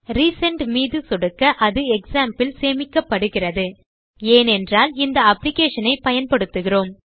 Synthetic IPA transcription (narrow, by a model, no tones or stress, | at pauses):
ɾiːsɐɳʈmiːðɯsʊɽɯkːɐʔɐðɯɛksaːmpɪlseːmɪkːɐpːɐɽɯɣɪrɐðɯ | eːnɛndraːlɪnd̪ɐɐpːlɪkeːʂɐnɐɪpɐjɐnpɐɽɯt̪ːɯɣɪroːm